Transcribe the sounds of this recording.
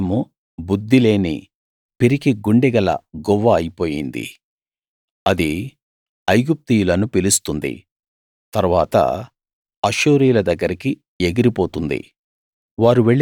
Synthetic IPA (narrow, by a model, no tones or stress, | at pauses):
mu | bud̪ːile̞ːnḭ | piɾikiɡuɳɖɛɡɐlɐ̰ɡɔʋːɐːjipo̞ːjind̪ḭ | ɐd̪i | ɐjɡup̚t̪ijulɐnupilust̪und̪ḭ | t̪ɐɾuʋaːt̪ɐ̰ | ɐʃuːɾiːlɐd̪ɐɡːɐɾiki | eɡiɾipo̞ːt̪und̪ḭ | ʋaːɾuʋeɭː